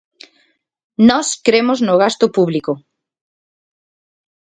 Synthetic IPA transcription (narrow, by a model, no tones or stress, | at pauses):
nɔskɾemʊznʊɣast̪ʊpuβliko